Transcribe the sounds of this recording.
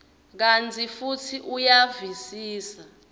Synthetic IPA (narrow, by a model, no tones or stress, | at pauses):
k̬antʰifutʰiʔujavisiːsa